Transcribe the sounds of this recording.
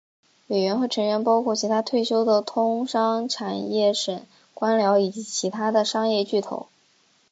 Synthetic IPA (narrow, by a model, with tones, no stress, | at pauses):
we˨˩ɪɥɛ˧˥nxɤ˧˥ʈ͡ʂʰɤ˧˥ŋɥɛ˧˥npɑ˥ʊkʰwɔ˥˩t͡ɕʰi˧˥t̪ʰa˥t̪ʰwe˥˩ɪɕjo˥ʊd̪ə˨t̪ʰʊ˥ŋʂɑ˥ŋʈ͡ʂʰa˨˩njɛ˥˩ʂə˨˩˦n | kwa˥nljɑ˧˥ʊi˨˩t͡ɕi˧˥t͡ɕʰi˧˥t̪ʰa˥d̪ə˨ʂɑ˥ŋjɛ˥˧t͡ɕy˥˩t̪ʰo̰˨˧˥ʊ